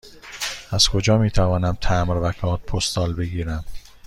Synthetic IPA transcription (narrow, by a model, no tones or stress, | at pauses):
æz̥kʰo̞d͡ʒɒːmiːt̪ʰævɒːnæmt̪ʰæmɾvækʰɒːt̪̚pʰost̪ɒːlbe̞ɡiːɾæm